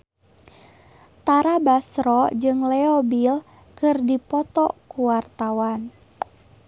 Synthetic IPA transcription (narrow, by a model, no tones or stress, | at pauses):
t̪aɾabasɾɔd͡ʒɨŋlɛɔbil | kɨrdipɔt̪ɔkuwart̪awan